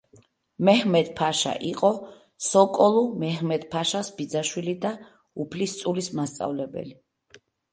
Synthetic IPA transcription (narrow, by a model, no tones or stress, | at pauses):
mɛɦmɛt̪pʰaʃa̰ʔiqʼɔ | sɔkʼɔlˠumɛɦmɛd̪pʰaʃasbid̪zaʃwilid̪a | upʰlist̪sʼulismast̪sʼa̰vlɛbɛ̰li